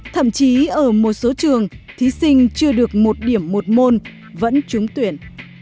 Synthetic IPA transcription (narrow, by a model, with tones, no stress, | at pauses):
t̪ʰə̰˧˨mt͡ɕi˨˦ʔəː˧˩mo˨˩t̚so˨˦t͡ɕɨ˨˩əŋt̪ʰi˨˦sï˧ŋ̟t͡ɕɨ˧əɗɨ˨˩ək̚mo˨˩t̚ɗi˧˩əmːo˨˩t̚mo˧n | və̰˧˥nt͡ɕʊ˨˦ŋ͡mt̪wi˧˩ən